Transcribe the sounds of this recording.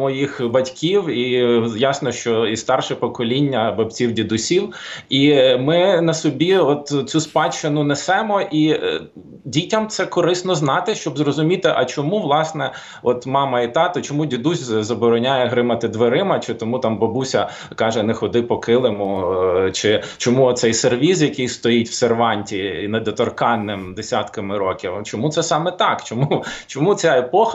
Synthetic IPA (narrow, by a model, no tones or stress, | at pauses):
mɔjixbɐtʲkʲiwijɑsnɔʃt͡ʃɔist̪ɑrʃɛpɔkɔlʲinʲːɐbɐbt͡sʲiwdʲid̪ʊsʲiwimɪnɐsɔbʲiɔt̪t͡sʲuspɑt͡ʃːɪnʊnɛsɛmɔʔi | dʲitʲɐmt̪sɛkɔɾɪsnɔznɑt̪ɪʃt͡ʃɔbzrɔzʊmʲit̪ɪʔɐt͡ʃɔmuʋlˠɑsnɛ | ɔt̪mɑmɐit̪ɑt̪ɐt͡ʃɔmudʲid̪uzʲzɐbɔɾɔnʲajɛɦɾɪmɐt̪ɪd̪ʋeɾɪmɐt͡ʃɪt̪ɔmut̪ɑmbɔbusʲɐ | kɑʒɛnɛxɔd̪ɪpɔkɪlˠɪmʊt͡ʃɪt͡ʃɔmuɔt̪sɛjserʋʲizjɐkɪjst̪ɔjitʲwserʋɑnʲtʲinɐd̪ɔt̪ɔrkɑnːɪmd̪esʲat̪kɐmɪɾɔkʲiwt͡ʃɔmut̪sɛsɑmɛt̪ɑkt͡ʃɔmut͡ʃɔmut͡sʲaepɔx